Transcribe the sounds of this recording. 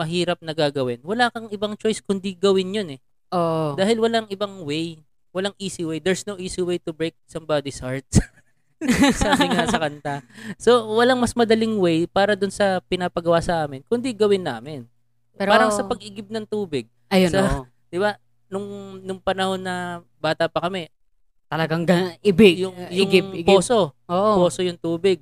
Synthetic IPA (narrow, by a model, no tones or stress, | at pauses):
mɐɦiːɾɐp̚nɐɡaːɡɐwɪnwɐlaːkɐŋʔɪbɐŋt͡ʃo̞jskʊnd̪iɡɐwɪnjonɛ | od̪aːhɪlwɐlaŋɪbɐŋwɛj | wɐlaŋʔiːsiwɛjd̪ɛɹsnowʔiːsiwejt̪ʊbɹejk̚sɐmbad̪ɪsaɹt̪̚s | sabɪŋŋasɐkɐnt̪aso̞wɐlaŋmɐsmɐd̪ɐlɪŋwɛjpaːɾɐd̪ʊnsɐpɪnaːpɐɡɐwasɐʔaːmɪnkʊnd̪iɡɐwɪnːa̰ːmɪn | ɛɾaːɾɐŋsɐpɐɡ̚ʔɪɡɪb̚nɐŋt̪uːbɪɡ̚ | ɐjoɐ | d̪ɪba | nʊŋnʊŋpɐnɐho̞nːɐbaːt̪ɐpɐkɐmɛ | t̪ɐlɐɡaŋɡɐʔɪbɪjʊŋjʊɡɪɡoːso̞oʔpoːsojʊŋt̪uːbɪɡ̚